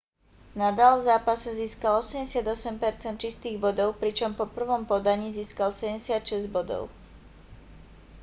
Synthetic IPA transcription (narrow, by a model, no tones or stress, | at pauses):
nad̪aːlvzaːpasɛziːskalɔsɛmɟɛsɪad̪ɔsɛmpɛɾt͡sɛnt̪̚t͡ʃist̪iːɣbɔd̪ɔʊpɾit͡ʃɔmpɔpr̩ʋɔmpɔd̪aɲiːziːskalsɛɛsɪat̪ʃɛzɟbɔd̪ɔ̰ʊ